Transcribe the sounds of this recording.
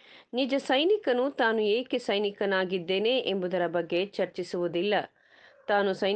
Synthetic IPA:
nid͡ʒɐsɐjnikɐnut̪aːnueːkesɐjnikɐnaːɡid̪ːe̞ːne̞ʔembud̪ɐɾɐbɐɡːe̞t͡ʃɐɾt͡ʃisuʋud̪ilːɐ | t̪aːnusɐj

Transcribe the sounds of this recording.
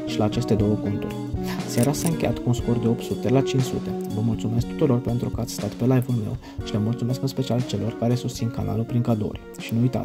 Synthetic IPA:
ʃilaːt͡ʃe̞st̪e̞d̪o̞wəkunt̪urʲsaɾasaɨŋkʲe̞jat̪kuunsko̞rd̪e̞o̞p̚t̪sut̪e̞lat͡ʃint͡ʃsṵt̪e̞vəmult̪sume̞sk̚t̪u̥t̪uɾo̞rpe̞nt̪ɾukəat̪sʲst̪at̪pe̞lajvulme̞̰w | ʃiləmult̪sume̞skɨnspet͡ʃialt͡ʃe̞lo̞rkaɾe̞sust̪sinkana̰lulpɾiŋkad̪o̰rʲ | ʃinuujt̪a̰t̪ʲ

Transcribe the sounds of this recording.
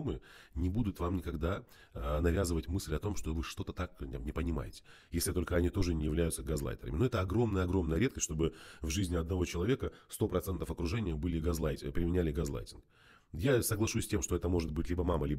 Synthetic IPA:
mɨnʲɪbud̪ʊt̪vamnʲɪkɐɡd̪a | nɐvʲazɨvətʲmɨsʲlʲɐt̪o̞mʂt̪o̞vɨʂt̪o̞t̪ə̥t̪akʲmnʲɪpənʲɪma̰jɪtʲɪ̥ | jesʲlʲɪt̪o̞lʲkəɐnʲit̪o̞ʐɨnʲɪjɪvlʲæjʊt̪səɡazlˠa̰jt̪ʲɪɾə̰mʲɪnoɛt̪əɐɡɾo̞mnəjəɐɡɾo̞mnəjəɾʲet̪kəsʲʂt̪o̞bɨvʐɨzʲnʲɪɐd̪nɐvo̞t͡ɕɪlˠɐvʲe̞kəst̪o̞pɾɐt̪sɛnt̪əfɐkɾʊʐɛnʲɪjəbɨlʲɪɡazlˠajtʲpɾʲɪmʲɪnʲælʲɪɡazlˠa̰jtʲɪnk | jasəɡlˠɐʂusʲsʲtʲemʂt̪oɛt̪əmo̞ʐɨt̪̚bɨtʲlʲibəmaməlʲib

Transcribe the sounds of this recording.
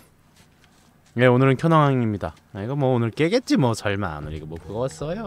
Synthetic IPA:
je̞onɯɾɯnkʰjʌnaŋɦaŋimɲida | iɡʌmwʌonɯɭk͈eɡe̞t̚t͡ɕ͈imwʌt͡ɕʌɭmaa̰nɯɾiɡemwʌkɯɡʌwas͈ʌjo

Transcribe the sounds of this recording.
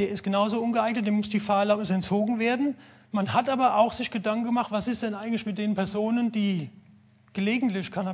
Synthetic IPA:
d̥eːɐɪstɡ̥ənaʊzoːʔʊnɡəʔaɪknət̚d̥eːɐmʊsd̥iːfaːɐlapɪsɛnt͡soːɡŋ̩veːɐdn̩ | manhatʔaːbɐʔaʊxz̥ɪçɡ̥ədaŋkŋ̩ɡəmaχtv̥asɪstd̥ɛnʔaɪɡŋ̩tlɪçmɪt̚d̥eːnənpʰɛɐzoːnənd̥iː | ɡ̥əleːɡŋ̩tlɪçkʰana

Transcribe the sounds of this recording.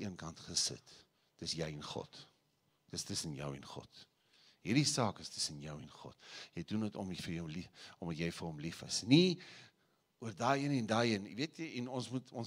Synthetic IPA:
ʔiənkɐntχəsə̰t | d̥əsjɛjɛnχɔ̰t | d̥əstəsənjə̰wɛ̰nχɔ̰t | ɦirdisɑːkəstʰə̥sənjœwɛnχɔ̰tjɛjdundətɔ̰mifərjəwliʔɔmdɐtjɛjfərɔmlifɐ̰sni | uərdɑːiənɛndɑːiənviətʰjiɛnɔnsmutʰɔns

